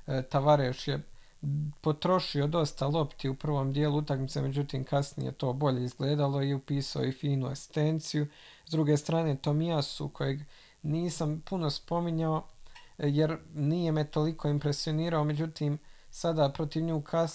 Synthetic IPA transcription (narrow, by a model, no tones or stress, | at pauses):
t̪aʋaɾeʃje | po̞t̪ɾo̞ʃio̞d̪o̞st̪alˠo̞pt̪iupr̩ʋo̞ːmd̪jeːlˠuut̪akmit̪se̞̰me̞d͡ʑut̪iːmkasnḭjḛt̪o̞ːbo̞ʎe̞izɡle̞ːd̪alˠo̞iupiːsaoifiːnua̰ksi̥st̪ent̪siju | zd̪ɾuɡest̪ɾaːne̞ːt̪o̞miasṵkʰo̞je̞ɡ | niːsampuno̞spo̞miɲao̞ | jeɾnijemet̪o̞likʰo̞ːimpɾe̞sio̞niːɾao̞me̞d͡ʑut̪iːmsad̪apɾo̞t̪iʋɲuːkʰa